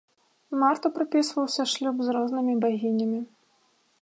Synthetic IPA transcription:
mart̪ɐpɾɨpʲisvɐwsʲɐʂlʲubzrɔznɨmʲibaɣʲinʲɐmʲi

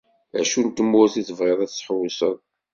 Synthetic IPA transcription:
æʃunt̪ːəmːʊɾθiθəvʁeðˤæθsħwisəðˤ

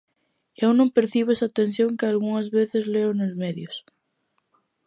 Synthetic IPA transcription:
ewnõmpeɾθiβesat̪ẽnsθ̬joŋkɪalɣuŋazβeθɪzleonozmeðjʊs

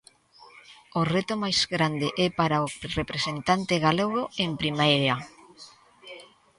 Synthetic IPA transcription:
oret̪omajz̥ɣɾand̪eʔɛpaɾaorepɾesent̪ant̪eɣaleɣ̞oempɾimajɾea

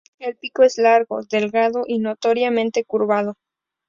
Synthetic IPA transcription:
elpikoe̞zlaɾɣo̞ðe̞lɣaðo̞ʔinot̪o̞ɾjamẽ̞nt̪e̞kuɾβaðo̞

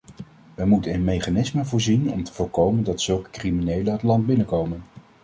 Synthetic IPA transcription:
ʋəmutənənmejχanɪsməvʊːɹzinɔ̰mtə̥v̥ʊːɹkowməndɑtsɵlˠkə̥kriminejləɦətlɑnd̚bɪnəkowmən

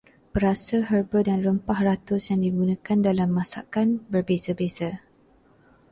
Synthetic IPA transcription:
bəɾasaɦərbədanrəmpahrat̪ʊsjaŋdiɡunãkandalamːãsa̰kanbərbezabeza

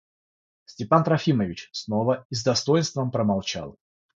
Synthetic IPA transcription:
sʲtʲɪpant̪ɾɐfʲiməvʲɪt͡ɕsnovəizd̪ɐst̪o̞jɪnst̪vəmpɾəmalˠt͡ɕa̰lˠ

